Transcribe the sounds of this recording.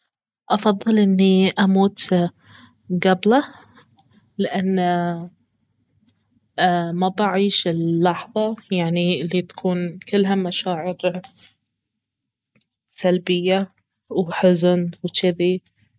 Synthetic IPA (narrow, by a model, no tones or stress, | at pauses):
ʔɑfɑðˤːɨlʔɪnːiʔamuːt̪ | ɡabla | lɪʔanː | mabaʕiːʃɪlːɑħðˤɑjaʕnilːit̪ḁkʰuːnkɪlːɦamaʃaːʕɪɾ | salbɪjːa | wħʊznwt͡ʃɪði